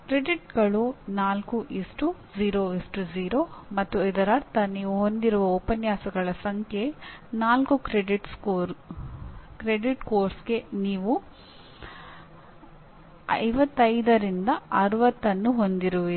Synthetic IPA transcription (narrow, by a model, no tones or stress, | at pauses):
kɾeɖiʈɡɐɭunaːlkuʔisʈuziːɾoisʈud͡ʒiːɾoːmɐt̪ːuid̪ɐɾɐɾt̪ɐniːʋuɦo̞nd̪iɾuʋɐopɐnjaːsɐɡɐɭɐsɐŋkʰenaːlkukɾeɖiʈskoɾ | kɾeɖiʈkoːɾsɡe̞niːʋu | ɐ̰jʋɐt̪ːɐjd̪ɐɾind̪ɐɐɾuʋɐt̪ːɐnːuɦo̞nd̪iɾuʋi